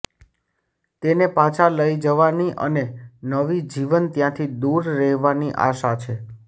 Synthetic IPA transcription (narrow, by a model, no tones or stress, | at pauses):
t̪enepat͡ʃʰaləid͡ʒəʋaniʔə̰nenəʋid͡ʒiʋənt̪jãt̪ʰid̪uɾːɛɦʋaniʔa̰ʃat͡ʃʰe